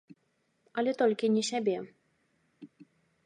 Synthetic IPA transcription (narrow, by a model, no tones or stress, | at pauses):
alʲɛt̪ɔlʲkʲinʲɛɕʲabʲɛ